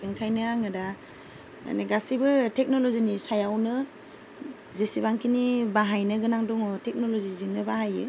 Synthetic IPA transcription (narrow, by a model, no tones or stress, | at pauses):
ɯŋkʰajnɯaŋɯda | a̰neɡasibɯtʰek̚nɔlɔzinisajawnɯ | zesibaŋkinibaɦajnɯɡɯnaŋdɔŋɔtʰek̚nɔlɔziziŋnɯbahajɯ̰